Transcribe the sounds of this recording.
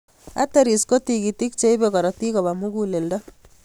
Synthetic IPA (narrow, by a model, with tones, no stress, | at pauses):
a̰teɾi˨sko˦tikiti˦k̚t͡ʃe˦ibekɔ˨ɾɔ˨ti˦kɔ˨ba˨mu˦ɡule˨ldɔ˦